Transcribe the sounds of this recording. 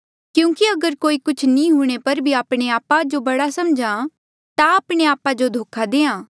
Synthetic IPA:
kjũːkiɐɡəɾkoːikʊt͡ʃʰnĩɦuːɽ̃epɐɾbʱiaːpɽ̃eaːpad͡ʒobɐɽasɐmd͡ʒã | t̪aaːpɽ̃eaːpad͡ʒod̪ʱoːkʰad̪eːãː

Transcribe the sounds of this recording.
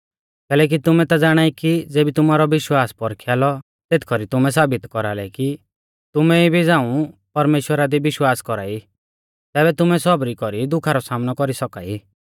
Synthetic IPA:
kɛːlɛːk̬it̪ʊmɛ̃t̪ad͡zaːɽ̃aːikid͡zeːbit̪ʊmaːɾɔʋɪʃwaːspɔɾkʰjaːlɔ | t̪eːt̪ʰkʰɔɾit̪ʊmɛs̬aːbɪt̪kɔɾaːlɛki | t̪ʊmɛibʱid͡zãːũpɐɾmeːʃwəɾad̪ibɪʃwaːskɔɾa̰ːi | t̪ɛːbɛt̪ʊmɛsɔbɾikɔɾid̪ʊkʰaɾɔsaːmnɔkɔɾisɔka̰ːi

